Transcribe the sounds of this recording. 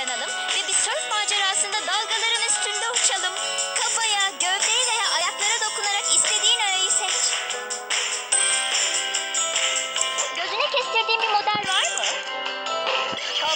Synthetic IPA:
analˠɯm | vɛbisønpaːd͡ʒaɾɯaslɯnd̪ad̪alˠɡalˠaɾɯnyst̪ʰynd̪ɛut͡ʃʰalˠɯm | kʰapajaːɟøvlʲeɾivʲejaːʔajaklˠaɾɯd̪o̞kunaɾakist̪ʰe̞d̪iːnɛøjisemit͡ʃ | ɟø̞zynɛcɛst̪iɾd̪iːnbimo̞d̪ælʲvaɾmɯ | t͡ʃʰ

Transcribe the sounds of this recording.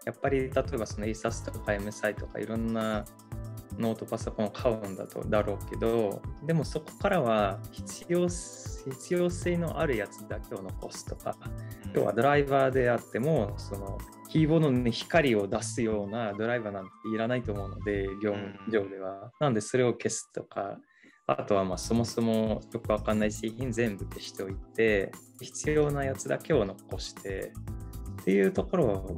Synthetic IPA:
japːaɾʲit̪at̪o̞e̞βaso̞no̞eːsat͡sɨ̥t̪okkaemɯ̟sait̪o̞ka̰ḭɾõ̞nːa | no̞ːt̪o̞paso̞kõ̞ɰ̃okʰaɯ̃nd̪a̰t̪o̰d̪aɾo̞ːke̞d̪od̪e̞mo̞so̞ko̥kaɾaβaçi̥t͡sosçit͡sɨjo̞ːse̞ːno̞ʔaɾɯ̟jat͡sɨ̥d̪ake̞o̞no̞ko̞sɨ̥t̪o̞̥ka̰jo̞̰ːβa̰d̪o̞ɾaibaːd̪e̞at̪ːe̞mo̞so̞no̞̰ | kʲiːbo̞ːd̪o̞içi̥kaɾʲio̞d̪asɨjo̞ːnad̪o̞ɾaibaːnãŋt̪ːeiɾanait̪o̞ːmo̞ɯno̞d̪e̞ɡʲo̞ːmd͡ʑo̞ːd̪e̞β̞ananod̪e̞so̞ɾe̞o̞ke̞sɨ̥t̪o̞ka̰ | a̰t̪o̞βamaːso̞mo̞so̞mo̞jo̞kɯ̟βakanːaisiçind͡zẽ̞mbɯ̟ke̞ɕi̥t̪eo̞it̪e̞çi̥t͡sɨjo̞ːnajat͡sɨd̪a̰ke̞o̞no̞ko̞ɕi̥t̪e̞̰ | t̪ʰːe̞jɯ̟ːt̪o̞ko̞ɾo̞β

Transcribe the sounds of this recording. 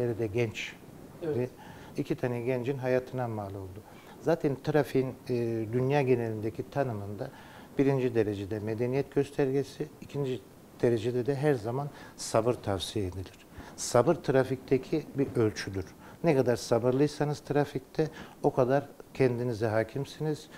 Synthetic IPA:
eɾɛd̪ɛɟɛnt͡ʃ | d̪i | icʰit̪ʰanɯjɟɛnd͡ʒinɦajaːt̪ʰɯnamaːlˠo̞lˠd̪u | zaːt̪ʰɛnt̪ʰɾafiinːd̪ynjaːɟe̞ne̞lʲind̪ecʰit̪ʰanɯmɯnd̪a | b̥iɾind͡ʒid̪e̞ɾe̞d͡ʒed̪ɛme̞d̪enijɛt̪ɟø̞st̪ʰæɾɟesiːcʰind͡ʒi | d̪̥e̞ɾe̞d͡ʒed̪ɛd̪ɛɦæɾzamansabɯɾt̪ʰavsijeed̪ilʲiɾ̥sabɯɾt̪ʰɾafic̚t̪ʰecʰibiʔølʲt͡ʃʰyd̪yɾ̥nɛkad̪aɾsabɯɾlˠɯjsanɯz̥t̪ʰɾafic̚t̪ʰɛo̞kʰad̪aɾcʰɛnd̪inizɛɦaːcʰimsiniz̥

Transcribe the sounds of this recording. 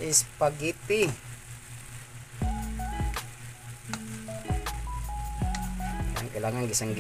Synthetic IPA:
ispaɡit̪i | a̰ŋkilaŋaŋɡisaŋɡ

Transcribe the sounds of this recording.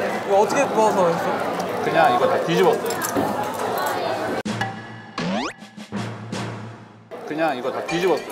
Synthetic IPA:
iɡʌʌtʰʌkʰepʌs̬ʰʌsokɯɲaŋiɡʌt̪atɥid͡ʑibwʌs͈ʌjjo | kɯɲaŋiɡʌt̪atid͡ʑibʌs͈

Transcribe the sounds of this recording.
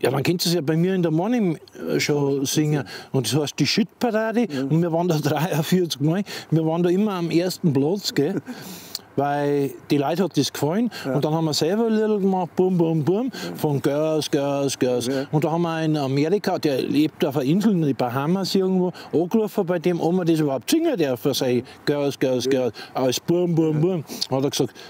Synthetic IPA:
jɑ̰ːdɑ̃nkʰɛ̃nstesjɑbaɪmiːɐɪ̃ndəmonɪmʃosɪŋəʊ̃ntd̥eshɑɐst̚d̥iʃytpʰaʁaːdeʊnmiːɐʋɑːndodʁaɪɐfiɐt͡skmɔɪmiːɐʋɑːndoːɪmɐameɐstn̩plɔt͡sɡ̥e | ʋaɪld̥ilaɪthɑt̚d̥eskfɔlnʊntd̥ɑnhɑmːɐsɛlβɐlɪɾl̩ɡəmɑχt̚b̥uɐmbuɐmbuɐmfɔnɡ̥œsɡ̥œsɡ̥œsʊ̃ntd̥ɑhɑmɐɪnameʁikʰad̥eːɐleːp̚tafɐɪnzl̩tib̥aɦamasiɐɡŋ̩tvoːʔoɡlufəbaɪdemʔomɐdes̬ybɐhaʊp̚tsɪŋədɛɐfəsaɪɡ̥œsɡ̥œsɡ̥œɐsʔaɪsb̥uɐmbuɐmbuɐnhɑtəksɑkt

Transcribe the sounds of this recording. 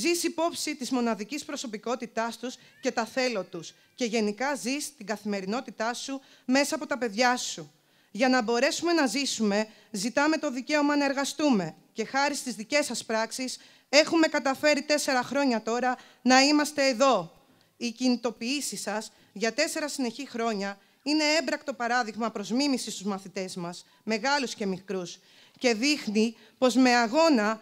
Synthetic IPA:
zisipo̞psit̪izmo̞nɐðicispɾo̞so̞piko̞t̪it̪ɐst̪usce̞t̪ɐθe̞lot̪us | ce̞ʝe̞nikɐzist̪iɡɐθime̞ɾino̞t̪it̪ɐsu | me̞sɐːpo̞t̪ɐpe̞ðʝɐsu | ʝɐnɐbo̞ɾe̞sume̞nɐzisume̞ | zit̪ɐme̞t̪o̞ðice̞o̞mɐnɐe̞ɾɣɐst̪ume̞ | ce̞xɐɾist̪izðice̞sɐspɾɐksis | e̞xume̞kɐt̪ɐfe̞ɾit̪e̞se̞ɾɐxɾo̞ɲɐt̪o̞ɾɐ | nɐimɐst̪e̞ːðo̞ | icinit̪o̞piisisɐs | ʝɐt̪e̞se̞ɾɐsine̞çixɾo̞ɲɐ | ine̞e̞mbɾɐkt̪o̞pɐɾɐðiɣmɐpɾo̞zmimisist̪uzmɐθit̪e̞zmɐz | me̞ɣɐlusce̞mikɾus | ce̞ðixni | po̞zme̞ɐɣo̞nɐ

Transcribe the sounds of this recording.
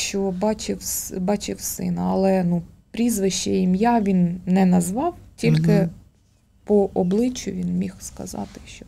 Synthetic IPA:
ʃt͡ʃɔbɑt͡ʃɪwsbɑt͡ʃɪwsɪ̰nɐɐlˠɛnupɾʲizʋɪʃt͡ʃɛjimjɑʋʲinnɛnɐzʋɑwtʲilʲkɪ | pɔʔɔblˠɪt͡ʃːʊʋʲinmʲixskɐ̰zɑ̰t̪ɪ̥ʃt͡ʃɔ

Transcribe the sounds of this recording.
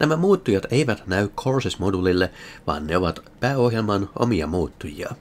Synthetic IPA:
nʔæmæmuːt̪ːujɑt̪eiʋæt̪næykʰorsismodulilːeʋɑ̰ːnːneoʋɑt̪pæːohjelmɑnʔo̰miɑ̰muːt̪ːujḭɑ̰

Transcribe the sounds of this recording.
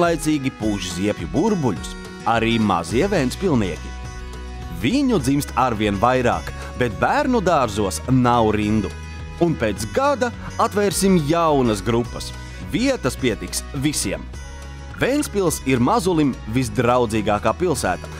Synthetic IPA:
lˠajt̪siːɡʲipuːʒiziɛpʲjubuɾbuʎus | aɾiːma̰ziɛvɛjnspilˠniɛkʲi | viɲud̪zimst̪aɾviɛnvajɾa̰ːk | bet̪bæɾnud̪aːɾzuɔsnawɾind̪u | unpeːt̪sɡad̪a | at̪vɛːɾsimjawnɐsɡɾupːɐs | viɛt̪ɐspiɛt̪iksvisiɛm | vejnsʲpilˠsiɾmazulˠimvis̬d̪ɾawd̪ziːɡaːkaːpilˠsæ̰ːt̪ḁ

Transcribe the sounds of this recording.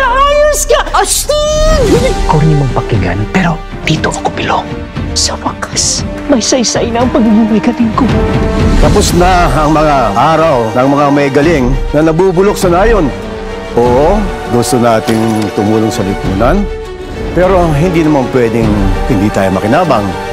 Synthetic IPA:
nɐʔaːjʊskɐʔɐsi | koɾɪmoŋpɐkɪɡɐ̰npɛɾo̞ | d̪̥iːt̪oʔɐkopɪlo̰ŋ | sɐmɐkḁs | mɐjsɐjsajnɐɐŋpɐɡɪŋumɐjkɐt̪ɪnkot̪ɐpʊsnɐɐŋmɐŋaʔaːɾɐwnɐŋmɐŋamɐɡɐlɪŋnɐnɐbuːbʊlok̚sɐnaːjo̞n | ʔoːʔo | ɡust̪onaːt̪ɪŋt̪ʊmuːloŋsɐlɪp̪uːnɐn | pɛːɾo̞ɦɪnd̪iːnɐmanpwɛːd̪ɪŋhɪnd̪iːt̪a̰ːjomɐkɪnaːbɐŋ

